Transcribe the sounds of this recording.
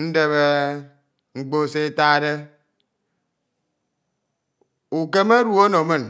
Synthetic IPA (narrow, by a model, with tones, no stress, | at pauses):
n̩˦de˨βe˦ | ŋ͡m̩˨k͡po˦se˦ta˦de˦ | u˨ke˦me˦ɾu˦˨o˦no˨me˦˨n